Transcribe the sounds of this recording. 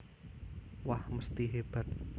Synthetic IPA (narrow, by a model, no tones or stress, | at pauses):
wahməst̪iɦeb̥at̪̚